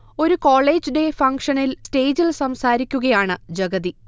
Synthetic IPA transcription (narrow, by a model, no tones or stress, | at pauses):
o̞ɾukoːɭe̞ːd͡ʑde̞fɐŋkʂɐnilste̞ːd͡ʑilsɐmsaːɾikʲːuɣɐjaːɳɨd͡ʑɐɡɐði